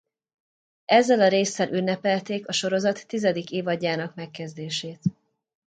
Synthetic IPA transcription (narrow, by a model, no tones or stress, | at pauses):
ɛzːɛlɒɾeːsːɛlʔynːɛpɛlt̪eːkɒʃo̞ɾo̞zɒt̪ːizɛd̪ikeːvɒɟːaːnɒkmɛkːɛzd̪eːʃeːt̪